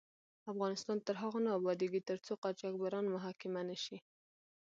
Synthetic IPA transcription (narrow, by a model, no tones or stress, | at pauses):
afɣɑnɪst̪ɑnt̪əɾɦaɣonɑbɑd̪iɡit̪əɾt͡soqɑt͡ʃak̚baɾɑnmʊɦɑkɪmanəʃi